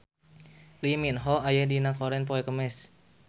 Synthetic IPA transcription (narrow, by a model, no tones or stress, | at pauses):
liminɦɔajɛdinakɔɾɛnpɔɛkəmɛs